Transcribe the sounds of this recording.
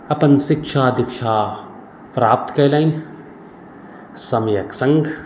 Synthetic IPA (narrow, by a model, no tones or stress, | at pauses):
ɐpɐnsɪkʃʰaːd̪ɪkʃʰaː | pɾaːp̚t̪kɐjlaːin | sɐmjɐksɐ̃ŋɡ